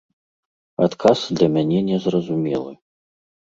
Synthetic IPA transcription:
at̪kʰasd̪lʲɐmʲanʲɛnʲɛzrɐzumʲɛ̰lˠɨ

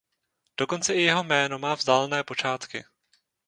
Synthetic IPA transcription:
d̥o̞ko̞nt͡sɛʔɪjɛɦo̞mɛːno̞maːvzdaːlɛnɛːpo̞t͡ʃaːt̪kɪ

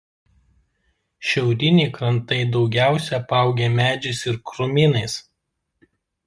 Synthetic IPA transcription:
ʃʲɛʊɾʲɪnʲiːkɾɐnt̪ɐɪd̪ɒʊɡʲæˑʊsʲɛpɑˑʊɡʲemʲæːd͡ʒʲʊsɪɾkɾʊmʲɪnɐɪs

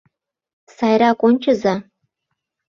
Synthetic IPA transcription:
sajɾakʷʼʊnt͡ʃʰɪza

